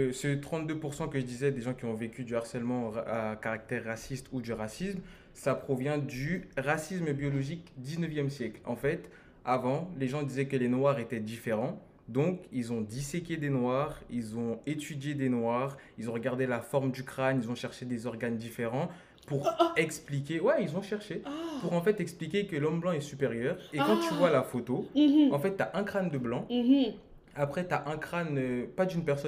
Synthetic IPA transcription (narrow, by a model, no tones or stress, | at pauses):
sət̪χɑ̃t̪̚d̪øpuʁsɑ̃kəʒəd̪izɛd̪eʒɑ̃kʲiɔ̃vekʲyd̪yaʁsɛlmɑ̃akaʁak̚t̪ɛʁːasist̪ʰud̪yʁasism | sapχɔvjɛ̃d̪yʁasismbjɔlɔʒikd̪iznəvjɛmsjɛklɑ̰̃fɛt̪ | avɑ̃leʒɑ̃d̪izɛkəlenwaʁet̪ɛd̪ifeʁɑ̃ | d̪ɔ̃kilzɔ̃d̪isekʲed̪enwaʁilzɔ̃et̪yd̪jed̪enwaʁilzɔ̃ʁəɡaʁd̪elafɔʁmd̪ykχanilzɔ̃ʃɛʁʃed̪ezɔʁɡand̪ifeʁɑ̃ | puʁɛksplikʲewɛilzɔ̃ʃɛʁʃeapuʁɑ̃fɛt̪ɛksplikʲekəlɔmblɑ̃ɛsypeʁjœːʁekɑ̃t̪yvwalafot̪oɑ̃fɛt̪ːyaʔɛ̃kχand̪əblɑ̃ | apχɛt̪yaʔɛ̃kχanøpad̪ynpɛʁsɔ